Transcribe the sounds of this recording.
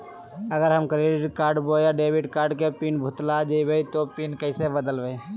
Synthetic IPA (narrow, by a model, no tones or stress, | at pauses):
əɡəɾɦəmkɾeɖɪʈkaːɾɖbojaɖeːbɪɖkaːɾɖkepiːnbʱʊt̪lad͡ʒəibəit̪opiːnkəɪsebəd̪əlʋej